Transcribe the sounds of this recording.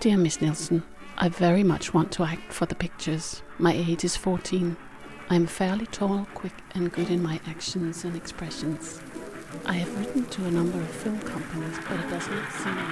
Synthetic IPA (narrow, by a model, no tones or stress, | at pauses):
d̥ɪɹmɪsnɪlˠsn̩ | ʔa̰ɪvɛɹimʌ̰t͡ʃwɑ̃ntʰəæk̚tfə˞ðɨpɪk̚t͡ʃə˞z̥maɪeɪd͡ʒɨz̥fɔɹtʰĩn | ʔãɪɨ̃ɱfɛɹlˠitʰɔlˠkʰw̥ɪkʔɨ̃nɡʊɾɨ̃nmaɪʔækʃɨ̃n̩z̥ɨ̃nɨkspɹɛʃɨ̃nz̥ | ʔaɪɨvɹɪʔn̩tʰɨːnʌ̃mbə˞ʌv̥fɪlˠmkʰʌ̃mpəniz̥b̥ʌɾɨt̚d̥ʌznɨtsĩm